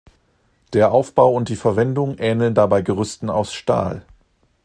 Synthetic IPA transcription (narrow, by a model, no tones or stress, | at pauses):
d̥eːɐʔaʊfb̥aʊʊnt̚d̥iːfɛɐvɛndʊŋʔɛːnl̩ndabaɪɡəʁʏstn̩a̰ʊsʃta̰ːl